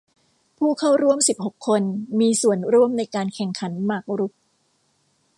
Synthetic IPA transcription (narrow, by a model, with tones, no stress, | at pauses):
pʰuː˥˩kʰa˥˩wɾu˥˩əmsi˨˩p̚ho˨˩kʰːo˧nmiː˧su˨˩ənɾu˥˩əmna˧jkaː˧nkʰɛ˨˩ŋkʰa˩˦nmaː˥˩k̚ɾu˦˥p̚